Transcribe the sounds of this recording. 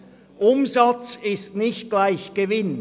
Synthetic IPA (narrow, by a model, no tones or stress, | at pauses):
ʔʊmzat͡sɪstnɪçt̚ɡ̥laɪçɡ̥əvɪn